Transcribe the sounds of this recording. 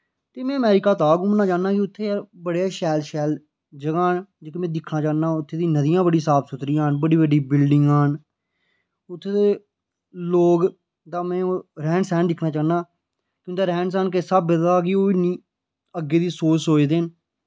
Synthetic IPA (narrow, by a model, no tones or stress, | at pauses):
t̪eːmɛ̃ːəmɛːɾɪkaːt̪aːɡʊ̃ːmənːãːt͡ʃaːnãːkiʊt̪ʰːeːbəɽjaːʃɛːlʃɛːl | d͡ʒəɡaːnd͡ʒeːkeːmɛ̃ːd̪ɪkʰnaːt͡ʃaːnːaːʊt̪ʰːeːd̪ĩːnəd̪ɪjãːbəɽiːsaːpsʊt̪ɾijãːnbəɽiːbəɖiːbɪlɖɪŋɡan | ʊt̪ʰːeːd̪eː | loːɡ | d̪aːmɛ̃ːoːɾɛ̃ːɳɖsɛ̃ːnd̪ɪkʰnaːt͡ʃaːnaː | kjõːt̪eːɾɛ̃ːɳsɛːnkesəbːəd̪aːkioːiːnĩː | əɡːeːd̪iːsoːt͡ʃɦoːeːd̪en